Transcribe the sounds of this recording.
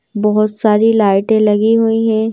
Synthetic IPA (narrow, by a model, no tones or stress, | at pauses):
bɔɦʊt̪saːɾilaːɪʈẽlɐɡiɦuiɦɛ̃ː